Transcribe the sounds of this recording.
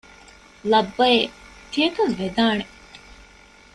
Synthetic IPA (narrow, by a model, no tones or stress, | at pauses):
lɐbːɐe | t̪ijɐkɐlʋed̪aːne